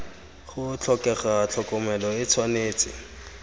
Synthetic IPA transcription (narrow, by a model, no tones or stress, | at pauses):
χʊt͡ɬʰɔkɛχat͡ɬʰɔkʼɔmɛlɔɪt͡sʰwaneːt͡sʼɪ̰